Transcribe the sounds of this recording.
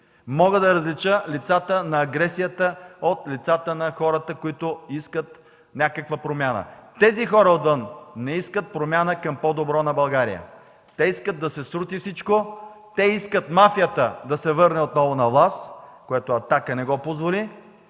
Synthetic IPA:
mɔɡəd̪ɐɾɐzlit͡ʃəlit̪sat̪ənɐːɡɾɛsijət̪əot̪lit̪sat̪ənɐxɔɾət̪əkoit̪oiskət̪ | nʲakəkvəpɾomʲjanə̰t̪ɛzixɔɾəot̪vənːɛiskət̪̚pɾomʲanəkɐmpɔd̪obɾɔnɐbɐlˠɡaɾḭjə̰ | t̪ɛiskət̪̚d̪ɐsɛsɾut̪ifsit͡ʃko | t̪ɛiskət̪mafijət̪əd̪ɐsɛvɤɾnɛot̪nɔvonɐvlˠaskoɛt̪oɐt̪akənɛɡɔpozvoli

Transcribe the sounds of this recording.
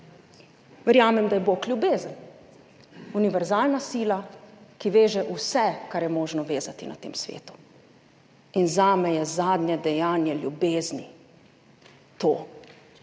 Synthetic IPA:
ʋɛɾjaːmɛmd̪ajɛboklʲjubeːzən | uniʋɛɾzaːlnasiːlakiʋeːʒɛʔusɛkaɾjɛmoːʒnɔʋeːzat̪ina̰t̪ḛːmsʋḛːt̪u̥ | inzaːmɛjɛzaːd̪njɛd̪ɛjaːnjɛlʲjṵbeːzni | t̪oː

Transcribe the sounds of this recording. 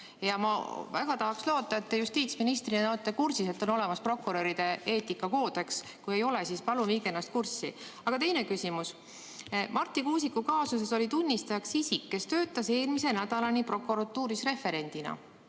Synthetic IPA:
jɑmɑvæɡ̥ɑt̪ɑɦɑkslo̞ːt̪ːˑɑet̪ːejust̪iːt̪sminist̪rinenoot̪ːˑekursise̞t̪ːˑo̞no̞le̞mɑspro̞kuɾø̞ɾid̪̥e̞e̞ːt̪ːˑikːɑko̞ːd̪eks | kuje̞jo̞le̞sispɑlumiːɡ̥enɑst̪̚kursːḭ | ɑɡ̥ɑt̪e̞jne̞kysimus | mʔɑrt̪ːˑikuːsikːˑukɑːsus̬e̞so̞lit̪unʲːist̪ɑjɑksisikːe̞st̪ø̞ːt̪ːˑɑse̞ːlmise̞næd̪̥ɑlɑnʲipro̞kuɾɑt̪ːuːɾisre̞fe̞ɾe̞nʲd̪̥inɑ̰

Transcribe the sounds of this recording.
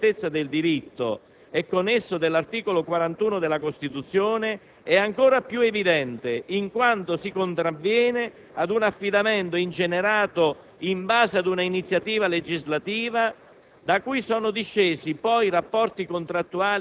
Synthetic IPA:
t̪et̪sːad̪ɪld̪iɾit̪ːo̰ | ɛkːonːesːod̪elːart̪iːkolokwaɾant̪uːnod̪elːakost̪it̪ut̪sːjoːne | ɛaŋkoːɾapjuevid̪ɛnt̪ɪiŋkwant̪osikont̪ɾavːjɛːne | ad̪unafːid̪amɛnt̪oint͡ʃeneɾaːt̪o | imbaːzead̪unainit̪sːjat̪iːvaled͡ʒizlat̪iːva | d̪akujsɔːnod̪iʃːeːsipɔjrapːɔrt̪ikont̪ɾat̪ːuaː

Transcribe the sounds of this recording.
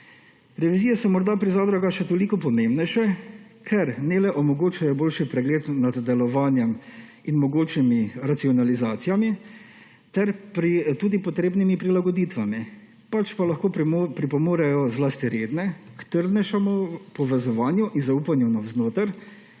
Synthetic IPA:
ɾɛʋiziːjɛsɔmɔɾd̪apɾizaːd̪ɾaɡaʃɛt̪olikɔpɔmẽmbnɛjʃɛ | kʰɛɾnɛlɛʔɔmɔɡoːt͡ʃajɔboːlʃipɾɛɡleːt̪nad̪ːɛlɔʋaːnjɛm | inmɔɡoːt͡ʃimiɾat̪siɔnalizaːt̪sijami | t̪ɛɾpɾit̪uːd̪ipɔt̪ɾeːbnimipɾilaɡɔd̪it̪ʋami | pat͡ʃpalaxkoːpɾipɔmoːɾajɔzlast̪iɾeːd̪nɛkt̪əɾd̪nɛʃamopɔʋɛzɔʋaːnjuʔinzauːpanjunawznoːt̪əɾ

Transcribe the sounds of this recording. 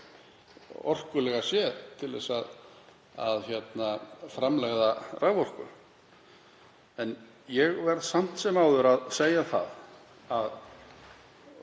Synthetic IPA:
ɔ̰r̥kʏlɛɣasjɛðt̪ʰɪlvɛ̰sað | a̰ðçɛt̪nafɾamlɛɣðarʔavɔr̥kʏ̰ | ɛn | jɛɣvɛɾðsam̥t̪sɛmaːwðʏɾaðseːjaθa̰ð | að

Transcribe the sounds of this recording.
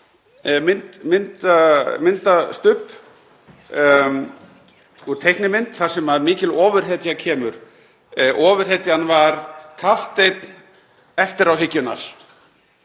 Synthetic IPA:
mɪnt̪mɪnt̪amɪnt̪ast̪ʏhp | uɾt̪ʰejhknɪmɪnt̪θḁsɛmaðmiːcɪlɔːvʏɾ̥ɦet̪jacʰɛːmʏɾ̥ | ʔɔːvʏɾ̥ɦet̪janvaɾkʰaft̪ejt̪n | ɛft̪ɪɾawɦɪcːʏna̰ɾ̥

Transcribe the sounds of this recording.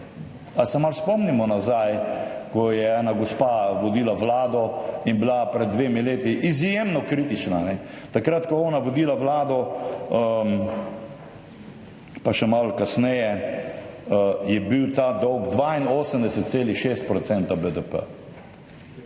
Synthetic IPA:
asɛmalspɔmnimɔnazajkɔjɛɛːnaɡɔspaʋɔd̪iːlaʋlaːd̪ɔinbilapɾɛd̪̚ːʋeːmileːt̪iʔizjemnɔkɾit̪it͡ʃnanɛ | t̪akɾat̪kɔɔːnaʋɔd̪iːlaʋlaːd̪ɔə | paʃɛmalkasnɛjɛ | jɛbiwt̪aːd̪ɔwɡd̪ʋaːinoːsəmd̪ɛsɛt̪̚seːlixʃest̪̚pɾɔt̪sɛnt̪abəd̪əpə̰

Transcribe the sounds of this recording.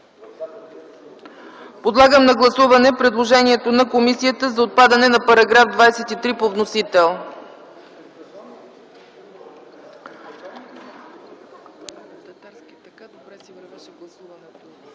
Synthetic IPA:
pod̪lˠaɡəmnɐɡlˠɐsuvɐnɛpɾɛd̪lˠoʒɛniɛt̪onɐkomisijət̪əzɐot̪̚pad̪ɐnɛnɐpɐɾɐɡɾafd̪vajsɛt̪it̪ɾipovnosit̪ɛlˠ

